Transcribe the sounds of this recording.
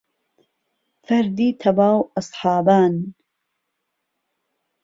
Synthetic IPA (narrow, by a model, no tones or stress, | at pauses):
fɐɾd̪iːt̪ʰɐbaːwɑsˤħɑːbaːn